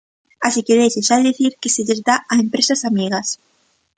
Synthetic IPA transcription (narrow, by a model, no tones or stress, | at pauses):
asikeðeʃeʃaðeðiθiɾkeseʎezd̪aʔaempɾesasamiɣɐs